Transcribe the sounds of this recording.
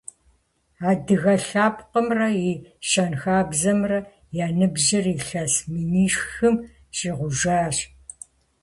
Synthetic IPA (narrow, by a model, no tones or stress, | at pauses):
aːdɨɣɐɬaːpqəmrɐjiʃɐnxaːbzɐmrɐ | jaːnɨbʑɪriːɬɐsmɨniːʂxɨm | ɕiːʁʷʊʒaːɕ